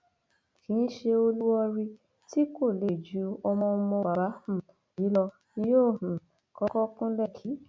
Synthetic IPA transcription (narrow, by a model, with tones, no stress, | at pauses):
kĩ˨˦n̩˦ʃe˧o˧lu˦ɔ˧ɾi˧ | ti˦ko˦˨le˨d͡ʒu˨˦ɔ˧mɔ̃˧mɔ̃˧a˨ɾa˨˦hũ˦˨ | i˨˦lɔ˧ | nĩ˧˦joː˦˨hũ˨ | kɔ˦kɔ˦kũ˦lɛ˦˨kʰi˨˦